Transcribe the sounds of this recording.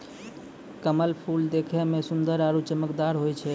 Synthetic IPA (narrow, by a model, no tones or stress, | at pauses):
kəməlpʰuld̪ekʰɛmesund̪əɾaɾut͡ʃəməkd̪aɾɦojt͡ʃʰɛ